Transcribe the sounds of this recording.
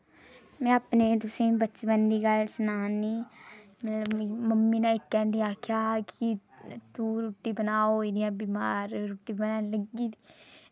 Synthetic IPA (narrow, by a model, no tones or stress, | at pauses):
mɛ̃ːapneːt̪̬ʊsẽːbətːt͡ʃbənd̪iːɡəlsənaːniː | mət̪ləbməmːiːnãːɪkːɛːɳɖiːaːkʰjaːkit̪uːɾuːʈːiːbənaːoiːd̪iãːbimaːɾɾuːʈiːbənaːləɡiːi